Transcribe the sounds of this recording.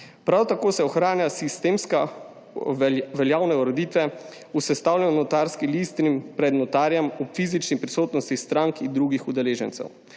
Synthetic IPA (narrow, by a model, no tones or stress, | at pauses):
pɾawt̪akoːsɛɔxɾaːnjasist̪eːmska | ʋɛljaːwnɛɔɾɔd̪iːt̪ʋɛ | usɛst̪aːwlʲɛnɔnɔt̪aːɾskilist̪nimpɾɛd̪nɔt̪aːɾjɛmɔpfiːzit͡ʃnipɾisoːt̪nɔst̪ist̪ɾaŋkind̪ɾuɡixud̪ɛleːʒɛnt̪sɛ̰w